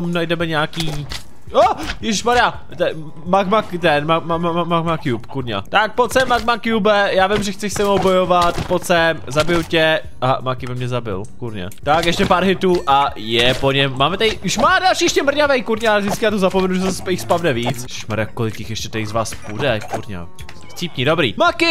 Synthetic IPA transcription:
omnajdɛmɛɲaːkiː | ojɛʒɪʃmaɾa | t̪ɛ | makmakt̪ɛnmamaaamakmakjupkuɾɲa̰t̪ak̚pot͡sɛmak̚makjubɛjaːvɪmʒɛxt͡sɛʃsɛmowbojovat̪pot͡sɛzabɪlcɛ | aɦa̰makɪbɪmɲɛzabɪ̰lkuɾɲa̰t̪akjɛʃcɛpaːɾɦɪt̪uːʔajɛpoɲɛmːaːmɛt̪aɪjuʃmaːdalʃiːjɛʃcɛmr̩ɲavɛjkuɾɲaalɛvzdɪt͡skɪjaːt̪ozapomɛnuʒɛsɛspɛjɪxspavnɛviːt͡sjɛʒɪʃmaɾakːolɪkjɪxjɛʃcɛt̪ɛjzvaːspudɛkuɾɲa̰ | xt͡siːpɲidobɾḭːmakɪ

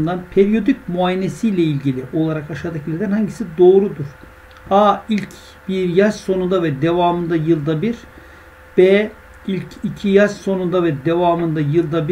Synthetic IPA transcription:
nd̪anpʰeɾijo̞d̪ic̚muaːjenesijlʲɛilʲɟilʲiʔo̞lˠaɾakaʃad̪aklʲed̪ænhaɲɟisid̪o̞ːɾud̪uɾ̥ | ailʲc | b̥iɾjaʃso̞nund̪avɛd̪evaːmɯnd̪ajɯlˠd̪abiɾ | b̥eː | ilʲcʰicʰijaʃso̞nund̪avɛd̪evaːmɯnd̪ajɯlˠd̪abi

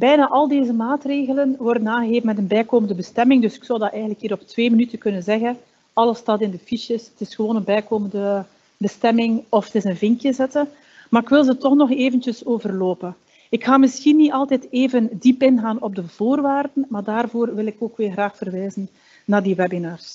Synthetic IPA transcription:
bɛjnaːʔɑlˠdeːzəmaːtreːɣələnʋɔrdənaːɣəɣeːfəmɛtənbɛjkoːməndəbəstɛmɪŋdɵsɪ̥ksɔwdɑtʔɛːjɣənləkɦiːɾɔp̚tʋeːmənytəkɵnənzɛɣən | ɑlˠəstɑtɪndəfiʃɪsətɪsxəʋoːnənbɛjkoːməndə | bəstɛmɪŋɔfətɪsənvɪŋkjəzɛtən | maːɾɪkʋɪlˠzətɔxnɔxeːvəntjəsoːvərloːpə | ɪkxaːmɪsxinːiɑlˠtɛteːvəndipɪnɣaːnɔb̚dəv̥oːrʋaːrdənmaːrdaːrvoːrʋɪlɪkoːkʋɪːrɣraːxfərʋɛːzənː | aːrdiwɛbinaːrs

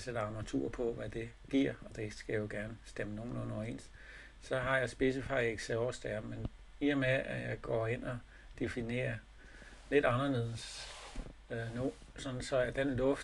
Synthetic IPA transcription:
sed̥ɐɑ̈mɐʁt͡sʰṵːɐpʰɒ̽ʋæd̥e̝ | ɡ̥iɐ̰ɒ̽d̥e̝sɡ̥æjo̝ɡ̥æɐnəsd̥eməno̝ːn̩ɔnɒɐe̝̰ːns | sɒ̽ɦɑ̈jɑ̈ɪsb̥e̝s̬əfɑ̈ɪeɡ̥seɒɐsd̥æɐmen | iɐmeæjɑ̈ɪɡ̥ɒ̰ːe̝n̰ɒ̽ | d̥e̝fine̝̰ːɐ | le̝d̥ɑ̈nɐle̝ðˠs | nosɒ̽nn̩sɒ̽æd̥enlɔ̽fd̥

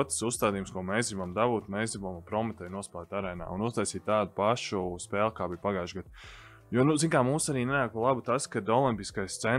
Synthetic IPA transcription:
t̪susst̪aːd̪iːjumskuɔmɛjszɡɾibamd̪abuːt̪mɛzɡɾibampɾɔmɛt̪ajnuɔspaːt̪aɾɛjna̰ːunust̪ajsiːt̪t̪aːd̪upaʃuspeːlˠkaːbijpaɡajʒɡad̪̚ | juɔnuziŋkaːmuːsaɾiːnɛnaːk̚palˠabut̪askad̪ɔlˠimpiskajst̪sɛ

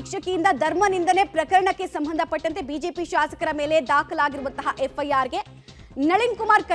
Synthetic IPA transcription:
kʂɐkijind̪ɐd̪ʱɐɾmɐnind̪ɐnepɾɐkɐɾɐɳɐkːe̞sɐmbʱɐnd̪ʱɐpɐʈːɐnt̪e̞biːd͡ʒe̞ːpiʃaːsɐ̥kɐɾɐme̞ːled̪aːkʰɐlaːɡiɾuʋɐnt̪ɐɦɐʔefʰɐjaːɾɡe̞ | nɐɭiŋkumaːɾkɐ

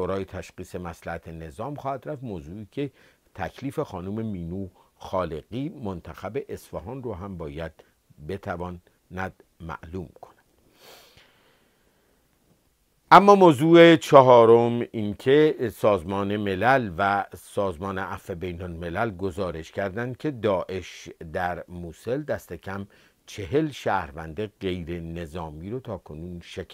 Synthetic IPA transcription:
ʃoɾɒːjet̪ʰæʃɢiːse̞mæslæhæt̪ʰene̞zɒːmxɒːhæd̪̥ɾæft̪moːzuːiːcʰe̞ | t̪ʰæcʰliːfe̞xɒːnuːme̞miːnuːxɒːleɣiːmont̪ʰæxæbe̞ʔesfæɦɒːnroːɦæmbɒːjæd̪̥ | be̞t̪ʰævɒːn | næd̪̥ | mæ̰ʔluːmkʰonæd̥̪ | ʔæmːɒːmoːzuːe̞t͡ʃʰɒɦɒːɾomincʰe̞sɒːzmɒːne̞melælvæsɒːzmɒːneʔæfe̞bejnolme̞lælɡo̞zɒːɾe̞ʃcʰæɾd̪ænd̪̥̚kʰe̞d̪ɒːʔe̞ʃd̪æɾmuːse̞ld̪æst̪e̞cʰæm | t͡ʃʰeɦe̞lʃæːhɾvænd̪e̞ɣe̞jɾe̞ne̞zɒːmiːɾot̪ʰɒːkʰo̞nuːnʃek

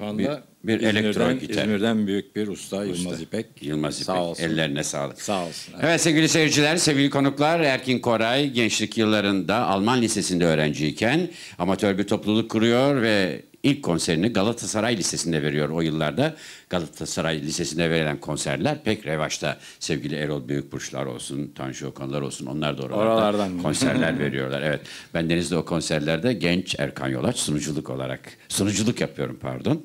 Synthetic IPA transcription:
anb | biɾelʲɛɾoɟit̪ʰɛ̰miɾd̪ænbyjyc̚biɾust̪ajlˠmaipɛjɯlˠmazipɛɛlʲːeɾinɛsa̰ːlˠɯkalˠɛvɛt̪se̞vɟʲilʲiseiɾd͡ʒilʲæɾsevɟilʲikʰo̞nuklˠaɾæɾcʰinkʰo̞ɾajɟɛnt͡ʃlʲicjɯlˠːaɾɯnd̪aʔalˠmanlʲise̞sind̪ɛøːɾænd͡ʒiːcʰæn | amat̪ʰøɾbiɾt̪ʰo̞plˠulˠukʰːuɾujo̞ɾvɛ | ilʲcʰːo̞nse̞ɾiniɡalˠat̪ʰasaɾajlʲise̞sind̪ɛve̞ɾijo̞ɾo̞jɯlˠːaɾd̪aɡ̥alˠat̪ʰasaɾajlʲise̞sind̪ɛve̞ɾilʲænkʰo̞nsæ̰ɾlʲæɾpʰɛcɾe̞vaʃt̪ʰa̰ | sɛvɟilʲieɾolˠbyjyc̚buɾt͡ʃlˠa̰ɾo̞̰lˠsunt̪ʰa̰nʃɯo̞kʰanlˠaɾo̞lˠsuno̞nˠaɾd̪aoɾaɾalˠaɾd̪akʰo̞nsæ̰ɾlʲæɾve̞̰ɾijo̞ɾlˠa̰ɾevɛt̪bænd̪e̞nizd̪ɛokʰo̞nsæɾlʲæɾd̪ɛɟɛnt͡ʃæ̰ɾkʰa̰njo̞̰lˠat͡ʃsunud͡ʒulˠuko̞̰lˠa̰ɾa̰k | sunud͡ʒulˠukjapʰɯjo̞ɾumpʰa̰ɾd̪o̞n

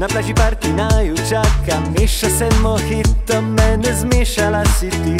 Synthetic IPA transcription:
naplaʒipaɾk̪inajut͡ʃakːamiʂasɛd̪mɔxit̪ːɔmːɛnɛzmʲɛʃalaɕit̪ːi

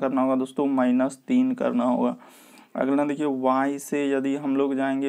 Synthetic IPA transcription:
kəɾnaɦoːɡad̪oːst̪õmaːɪnəst̪iːnkə̰ɾnaɦo̰ːɡaː | ɐ̰ɡlenad̪eːkʰieʋãɦisejɐd̪iɦɐmloːɡd͡ʒaːẽːŋɡe

